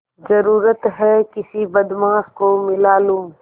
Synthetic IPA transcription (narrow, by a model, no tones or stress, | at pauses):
zɐɾuːɾət̪ɦɛkɪsibɐd̪mãːɦkomɪlaːlũː